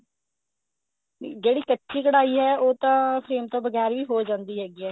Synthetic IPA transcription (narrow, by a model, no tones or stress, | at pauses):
d͡ʒeːɽiːkətːʃiːkəɽaːiːɦɛːoːt̪ãːpʰɾeːmt̪õːbəɡɛːɾʋiːɦoːd͡ʒãːnd̪iːɦɛːɡiːɛː